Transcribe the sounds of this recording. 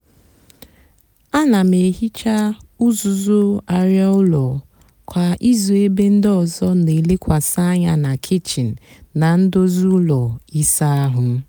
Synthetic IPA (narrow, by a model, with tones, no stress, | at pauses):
a˦na˨me˨ɦi˦t͡ʃa˦ʊ˦zu˨zʊ˦a˨ɾja˦ʊ˦lɔ˨ | kʷa˨ʔi˦zu˨e˦be˦n̩˦dɔ˨zɔ˦ne˨le˦kʷa˨sa˦ɲa˦na˨kʰɪ˦t͡ʃi˨n̩˨ | na˨n̩˦do˦zu˦lɔ˨i˦sa˦a˦ɦʊ˨˦